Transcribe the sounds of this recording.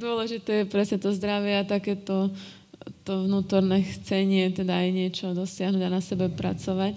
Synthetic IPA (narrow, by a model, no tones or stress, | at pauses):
d̪ʊɔlɛʒit̪ɛjɛpɾɛsɲɛt̪ɔzd̪ɾaʋɪɛat̪akɛːt̪ɔ | t̪ɔʋnuːt̪ɔɾnɛxt͡sɛɲɪɛt̪ɛd̪aːjɲɪɛt͡ʃɔd̪ɔsɪaɦnuːɟanasɛbɛpɾa̰t͡sɔʋac